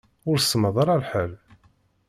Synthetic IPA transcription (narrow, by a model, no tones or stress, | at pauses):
ʊɾsːməðˤɑɾˤɑlħəl